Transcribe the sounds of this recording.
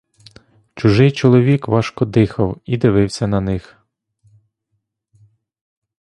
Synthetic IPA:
t͡ʃʊʒɪjt͡ʃɔlˠɔʋʲikʋɑʃkɔd̪ɪxɐwid̪ɪʋɪwsʲɐnɐnɪx

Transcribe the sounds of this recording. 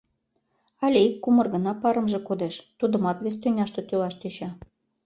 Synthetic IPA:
ɑlʲeikːumɤ̆rɣɤ̆nɑpɑɾə̆mʒĕkod̪eʃt̪ud̪ə̆mɑt̪βesʲt̪ønʲɑʃt̪ɤ̆t̪ølɑʃt̪eɕɑ

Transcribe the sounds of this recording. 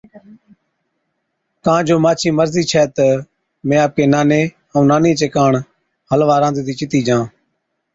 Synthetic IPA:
kãːd͡ʒoːmaːt͡ʃʰĩːməɾziːt͡ʃʰɛːt̪ə | mẽːaːp̚keːnaːneː | ə̃ːnaːnẽːt͡ʃeːkaːɳ | həlʋaːɾãːnd̪ːd̪iːt͡ʃɪt̪iːd͡ʒãː

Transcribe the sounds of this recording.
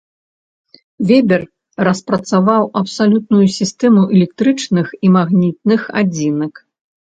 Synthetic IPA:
vʲɛbʲɛr | rɐspɾɐt̪savawɐpsalʲut̪̚nujusʲist̪ɛmuʔɛlʲɛk̚t̪ɾɨt͡ʂnɨximaɣnʲit̪̚nɨxa̰d͡zʲinɐk

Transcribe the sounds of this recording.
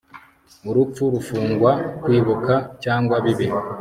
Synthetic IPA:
uɾup͡fuɾufuːŋɡwakwiːβukacaːŋɡwaβiβi

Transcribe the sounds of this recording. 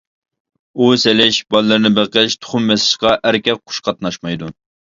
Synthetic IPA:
uselɪʃbɑlˠːɨɾnɪbæqɪʃt̪ʰʊ̥χʊmːɛsɪ̥ʃqɑʔæɾkʲɛk̚qʰːʊ̥ʃqʰɑt̪̚nɑʃmɑjd̪u

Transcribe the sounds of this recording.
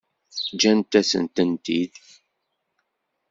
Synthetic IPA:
d͡ʒænt̪æsə̰nt̪ənt̪id̪

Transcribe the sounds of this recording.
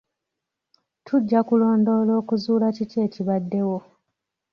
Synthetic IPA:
tʰuɟːakulo̞ːndo̞ːlo̞ːkuzuːlacite̞ːciβadːe̞wo̞

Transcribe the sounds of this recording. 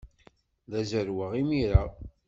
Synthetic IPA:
ðæzəɾwaʁimiɾa

